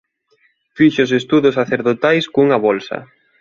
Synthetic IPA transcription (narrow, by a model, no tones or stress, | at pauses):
fiʃʊsest̪uðʊsaθeɾðot̪ajskuŋɐβolsɐ̰